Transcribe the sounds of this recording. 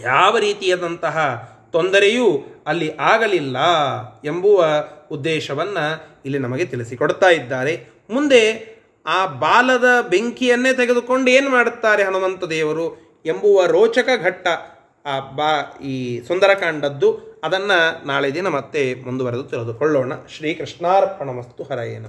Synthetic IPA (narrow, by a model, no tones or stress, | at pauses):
jaːʋɐɾiːt̪ijaːd̪ɐnt̪ɐɦɐ | t̪ond̪ɐɾejuɐlːiʔaːɡɐlilːɐembuʋɐud̪ːɛːʃɐʋɐnːɐilːinɐmɐɡe̞t̪iɭisikoɽt̪aːjid̪ːaːɾe̞ | mund̪e̞ | aːbaːlɐd̪ɐbe̞ŋkijɐnːeːt̪eɡe̞d̪uko̞ɳɖeːnumaːɽut̪ːaːɾe̞ɦɐnumɐnt̪ɐd̪ɛːʋɐɾu | embuʋɐɾoːt͡ʃɐkɐɡʱɐʈːɐː | baːiːsond̪ɐɾɐkaːɳɖɐd̪ːuɐd̪ɐnːɐnaːɭed̪inɐmɐt̪ːe̞mund̪uʋɐɾed̪ut̪iɭed̪ukɔɭːoːɳɐʃɾiːkɾiʂnaːɾpɐnɐmɐst̪uɦɐɾɐjḛːnɐ